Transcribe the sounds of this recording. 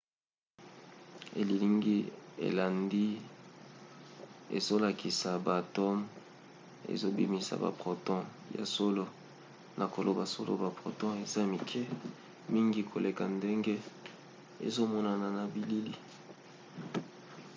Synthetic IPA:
ḛ˨li˨li˦ŋɡi˦ḛ˨la˨ndi˦ | ḛ˨zo˦la˨ki˨sa˨ba˨tɔ˦m | ḛ˨zo˦bḭ˨mi˨sa̰˨ba̰˨pʁo˨tɔ̃˦ | ja̰˨so˦lo˦ | na˨ko˨lo˨ba˨so˦lo̰˦ba˨pʁo̰˨tɔ̃˦e˨za˦mi˨kʰɛ˦ | mi˦ŋɡi˦kʰo˨le˨ka˨nde˦ŋɡe˦ | ḛ˨zo˦mɔ˦na˨na˨na˨bi˨li˦li˦

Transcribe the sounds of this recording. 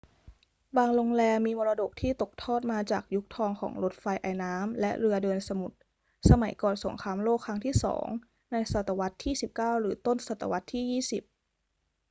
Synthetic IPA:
baː˧ŋlo˧ŋlɛː˧mːiː˧mɔː˧ɾaː˧do˨˩k̚t̪ʰiː˥˩t̪o˨˩k̚t̪ʰɔː˥˩t̪̚maː˧t͡ɕaː˨˩k̚ju˦˥k̚t̪ʰɔː˧ŋkʰɔ̰ː˩˦ŋɾo˦˥t̪̚fa˧jʔa̰˨˩jnaː˦˥mlɛ˦˥ʔɾɯ˧ɐdɤː˧nsa˧mu˨˩t̪̚ | sa˧ma˩˦jkɔː˨˩nso̰˩˦ŋkʰaː˧mloː˥˩kʰːɾa˦˥ŋt̪ʰiː˥˩sɔ̰ː˩˦ŋ | na˧jsa˨˩t̪ːa˧wa˦˥t̪ʰːiː˥˩si˨˩p̚kaː˥˩wɾɯː˩˦t̪o˥˩nsa˨˩t̪ːa̰˧wa˦˥t̪ʰːiː˥˩jiː˥˩si˨˩p̚

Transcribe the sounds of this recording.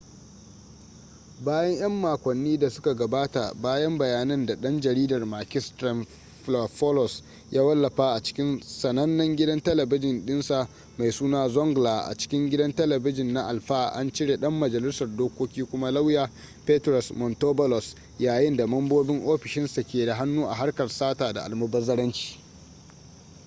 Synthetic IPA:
baː˦jɐ˦ɲj̰ɐ˦mːaː˨kʷɐ˨nːiː˦da˨sʊ̥˦ka˨ɡɐ˨baː˦ta˨baː˦jɐ˦mbɐ˨jaː˨nɐ˦nda˨ɗɐ˦nd͡ʒɐ˨ɾiː˦dɐ˨rmaː˨kʲɪ˦stɾɐ˨n | ɸlɔ˨ɸɔ˦lɔ˨s | jʔaː˦wɐ˦lːɐ˨ɸaː˦ʔa˨t͡ʃɪ̥˦kʲɪ˦nsɐ˨nɐ˦nːɐ˦ŋɡʲɪ˦dɐ˦ntɐ˦lɐ˨bɪ˦d͡ʒɪ˨nɗɪ˦nsa˨ʔ | ma˨jsuː˦naː˦zɔ˦ŋɡlaː˨ʔa̰˨t͡ʃɪ̥˦kʲɪ˦ŋɡʲɪ˦dɐ˦ntɐ˦lɐ˨bɪ˦d͡ʒɪ˨nːa˦ʔa̰˨lɸaː˦ʔa̰˦nt͡ʃɪ˦ɽeː˨ɗɐ˦mːɐ˨d͡ʒɐ˨lɪ˦sɐ˨rdoː˦kʷoː˦kʲiː˦kʷʊ˦ma˦la˦wjaː˨ | peː˦tɾɔ˨smɔ˨ntoː˦bɔ˦lɔ˨s | jaː˨jɪ˦nda˨mɐ˦mboː˦bɪ˦ŋʔoː˦ɸɪ˨ʃɪ˦nsa˨kʲeː˨da˨ɦa˦nːuː˦ʔa̰˨ɦa˦rkɐ˨rsaː˦taː˨da̰˨ʔa˨lmɐ˦bɐ˦zɐ˦ɽɐ˦nt͡ʃi̥ː˨

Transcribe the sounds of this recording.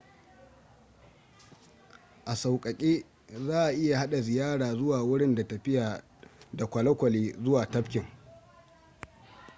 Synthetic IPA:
ʔa˨sa˨wkʼɐ˨kʲʼeː˦ | zaː˦ʔa˨ʔɪ˦ja˨ha˦ɗa˨zɪ˨jaː˦ɽaː˨zʊ˦waː˨wʊ˦ɽɪ˦nda˨tɐ˨ɸɪ˦jaː˨ | da˨kʷɐ˨lɐ˦kʷɐ˨leː˦zʊ˦waː˨tɐ˦ɸkʲɪ˨ŋ

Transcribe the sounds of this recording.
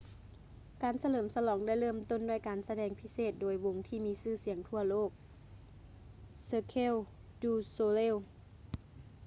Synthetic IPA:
kaː˨˩nsa˧lɤː˩˦msa˧lɔː˩˦ŋda˥˩jlɤː˥˩˨mt̪o˥˨ndu˥˩˨jkaː˨nsa˧dɛː˧˩ŋpʰi˦˥seː˧˨˩t̪̚doː˨˦jwo˧ŋt̪ʰiː˧˥˩miː˧˥sɯː˥˩si˨˩˦əŋt̪ʰu˧˥˩ɐloː˥˩k̚ | sɤː˧kʰe˧˥˨wduː˧˩soː˧le˧˥˨w

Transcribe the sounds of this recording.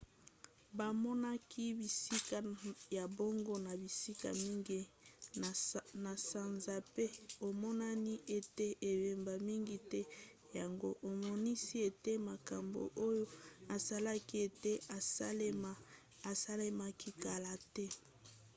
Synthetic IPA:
ba˨mɔ˦na˦kʰi˦bi˨si˦ka˨ja˨bo˦ŋɡo˦na˨bi˨si˦ka̰˨mi˦ŋɡi˦˨ | na˨sa˨nza˨pe˦o˨mɔ˦na˦ni˦ʔe˨te˦ʔe˨be˨mba˨mi˦ŋɡi˦tɛ˦ | ja˨ŋɡo˦ʔo˨mɔ˦ni˦si˦e˨te˦ma˨ka˨mbo̰˨ʔo˦jo˦a˨sa˦la˦ki˦e˨te˦a˨sa˦le˦ma˦ | a˨sa˦le˦ma˦ki˦ka˨la˨tɛ˦

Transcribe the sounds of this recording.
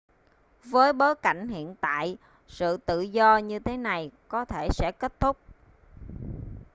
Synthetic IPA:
vəː˨˦jɓoː˨˦jka̰˧˩jŋ̟hḭ˧˨ənt̪a̰ː˧˨j | sɨ̰˧˨t̪ɨ̰˧˨zɔ˧ɲɨ˧t̪ʰe˨˦na˨˩jkɔ˨˦t̪ʰe˧˩sɛ̰˧˥ke˦˥t̚t̪ʰʊ˦˥k͡p̚

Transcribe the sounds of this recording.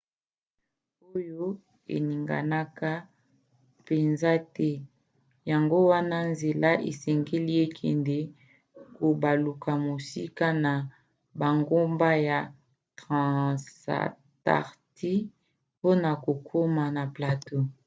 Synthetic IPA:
o˦jo˦ | ḛ˨ni˨ŋɡa̰˨na˦ka˦ | pe˨nza˦tɛ˦ | ja˨ŋɡo˦wa˦na˦nze˨la˦ʔḛ˨sɛ˨ŋɡe˦li˦e˦kʰɛ̰˨nde˦ | ko˨ba˨lu˨ka˨mo˨si˦ka˦na˨ | ba˨ŋɡo˦mba˦ja˨ | tʁã˨sa̰˨ | ta̰˨ʁti˦ | po˦na˨ko˨kʰo˦ma˨na˨pla˨to˦

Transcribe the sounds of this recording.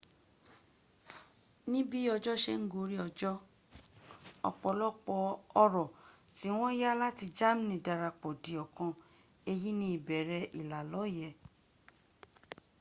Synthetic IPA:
nĩ˦bi˦ɔ˧d͡ʒɔ˦ʃe˧˦ŋ̩˦ɡo˨˦ɾi˦ɔ˧d͡ʒɔ˦ | ɔ̰˧k͡pɔ˧lɔ˦k͡pɔ˧ɔ˧ɾɔ˨ti˨˦w̃ɔ̃˦ja˦la˦ti˧d͡ʒa˦m˦nĩ˨da˧ɾa˧k͡pɔ˨di˨ɔ˨kã˧ | e˧ji˦nĩ˦i˨bɛ˨ɾɛ˧ʔi˨la˨lɔ˨˦˨jɛ˧˨

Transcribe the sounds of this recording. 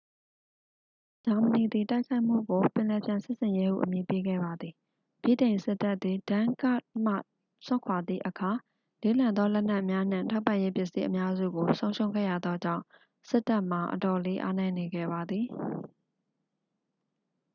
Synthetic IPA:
d͡ʑa˨mə˨ni˨d̪i˨ta˦ɪkʰa˦ɪʔm̥ṵ˦˨ɡo˨pɪ̃˨lɛ˨pjã˨sɪ˦ʔsɪ̃˨je˦hṵ˦˨ʔəmji˨pe˦ɡɛ̰˦˨ba˨d̪ði˨ | b̥jḭ˦˨tẽ˨ɪ̃nsɪ˦tːa˦ʔt̪ði˨dã˦ka̰˦ʔm̥a̰˦˨ | sʊ̃˦˨kʰwa˨d̪ðḭ˦˨ʔəkʰa˨ | le˨˦lã˨nd̪ɔ˦lɛ˦n̥a˦ʔmja˦n̥ɪ̰̃˦˨tʰa˦ʊpːã˦˨je˦pjɪ˦ʔsi˦ʔəmja˦zṵ˦˨ɡo˨sõ˦ʊ̃ʃʰõ˦ʊ̃ŋɡɛ̰˦˨ja˨d̪ɔ˦d͡ʑã̰˦˨ | sɪ˦tːa˦ʔm̥a˨ʔə̰tɔ˨le˦ʔa̰˦nɛ̃˦˨ne˨ɡɛ̰˦˨βa˨d̪ði˨

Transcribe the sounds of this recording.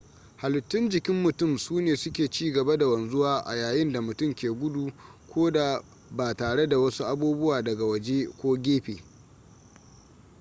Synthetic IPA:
ha˨lʊ˨tːʊ˦nd͡ʒɪ˨kʲɪ˦mːʊ˨tʊ˦˨msuː˦neː˨sʊ˦kʲeː˨t͡ʃiː˦ɡɐ˨ba˦da˨wɐ˨nzʊ˦waː˦ʔa̰˨jaː˨jɪ˦nda˨mʊ˨tʊ˦mkʲeː˨ɡʷʊ˦du˨kʷoː˦da˨ | baː˨taː˨ɽe˦da˨wɐ˦su˦ʔa˦buː˦bʊ˦waː˨dɐ˨ɡa˨wɐ˨d͡ʒe˦kʷoː˦ɡʲeː˦ɸeː˨

